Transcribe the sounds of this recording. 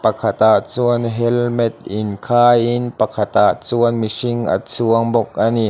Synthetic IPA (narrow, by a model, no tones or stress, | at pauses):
pɐkʰat̪aʔt͡suənɦɛlmɛt̪̚ʔɪnkʰaːjinpɐkʰat̪aʔt͡suənmisiŋʔa̰t͡suəŋbɔk̚ʔani